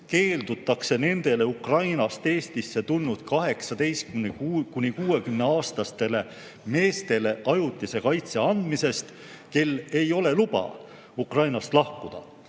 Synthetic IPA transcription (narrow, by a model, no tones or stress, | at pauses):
ke̞ːld̪ut̪ːˑɑkse̞ne̞nd̪̥e̞le̞ukrɑjnɑst̪e̞ːst̪isːe̞t̪ulnːud̪̥̚kɑɦe̞ksɑd̪̥e̞jst̪kymkunʲikuːe̞kymne̞ɑːst̪ɑst̪e̞le̞ | me̞ːst̪e̞le̞ʔɑjut̪ːˑise̞kɑjt̪se̞ɑnd̪̥mise̞st̪ | ke̞lːe̞jo̞le̞lub̥ɑ̰ | ukrɑjnɑst̪lɑhkud̪̥ɑ̰